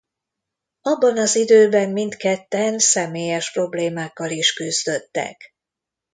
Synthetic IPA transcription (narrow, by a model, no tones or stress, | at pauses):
ɒbːɒnɒzid̪øːbɛmmint̪kɛt̪ːɛnsɛmeːjɛʃpro̞bleːmaːkːɒliʃkyzd̪ø̞t̪ːɛ̰k